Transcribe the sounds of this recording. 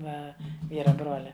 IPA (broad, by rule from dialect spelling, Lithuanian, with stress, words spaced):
ˈʋɐ ˈʋʲiːrɐ ˈbroːlʲɛ